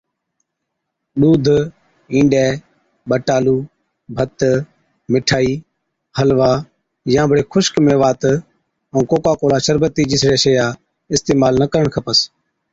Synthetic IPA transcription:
ɗuːd̪ʱ | ĩːɖɛː | ɓəʈaːluː | bʱət̪ | mɪʈʰaːiː | həlʋaː | jãːbʱəɽeːxʰʊʃkmẽːʋaːt̪ | əũːkoːkaːkoːlaːʃəɾbət̪ːiːd͡ʒɪsɽeːʃəjaː | ɪst̪eːmaːlnəkəɾəɳkʰəpəs

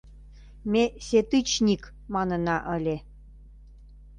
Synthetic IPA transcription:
meset̪ɨt͡ɕnʲik | mɑnə̆nɑʔəlʲe

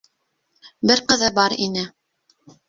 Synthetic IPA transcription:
bɘɾqɤ̆ðɤbɑɾinɘ

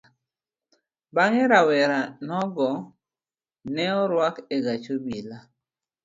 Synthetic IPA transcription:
baŋeɾawɛɾanɔɡɔ | nɛɔɾwakeɡat͡ʃobila

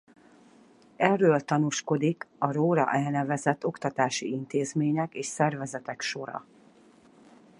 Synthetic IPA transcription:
ɛrːøːlt̪ɒnuʃko̞d̪ikɒɾoːɾɒ̰ʔɛlnɛvɛzɛt̪ːo̞kt̪ɒt̪aːʃiint̪eːzmeːɲɛkeːʃsɛrvɛzɛt̪ɛkʃo̞ɾɒ̰

